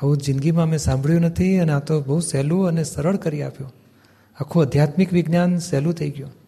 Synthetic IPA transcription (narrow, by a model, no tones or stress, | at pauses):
əũd͡ʒɪ̃nɡimãmẽsãmbʱɭjũnət̪ʰiəneat̪obəusɛluənesəɾəɭkəɾiapjo | akʰoəd̪ʱjat̪mɪkʋɪɡnjansɛlũt̪ʰəiɡjo